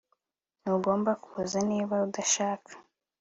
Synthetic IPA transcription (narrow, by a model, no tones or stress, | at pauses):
nuɡo̞ːmbakuːzaniːβaudaʃaːkʰḁ